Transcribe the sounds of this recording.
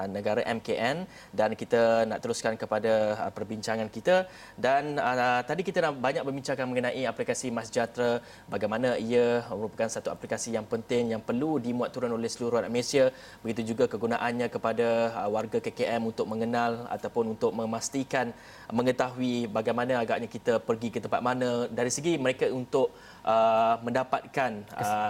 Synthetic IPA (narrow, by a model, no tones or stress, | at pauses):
nəɡaɾaʔɛmkeʔɛn | dankit̪ana̰ʔt̪əɾuskankəpadapərbiɲt͡ʃaŋankit̪a | danət̪adikit̪anaʔbaɲak̚məbiɲt͡ʃakanməŋənãʔiaplikasimasd͡ʒat̪ɾa | baɡajmanãiaməɾupakansat̪uaplikasijaŋpənt̪ɪŋjaŋpərludimũat̪ːuɾʊnolɛhsəluɾuanamesia | bəɡit̪ud͡ʒuɡakəɡunaʔanɲãkəpadawarɡakekeʔɛmunt̪ʊk̚mə̃ŋənala̰t̪awpʊnunt̪ʊk̚mə̃mast̪ikan | mə̃ŋət̪aɦuibaɡajmanãaɡaʔɲakit̪apərɡikət̪əmpa̰t̪̚manadaɾisəɡiməɾekaunt̪ʊʔ̚ | ʔəmə̃ndapat̪̚kan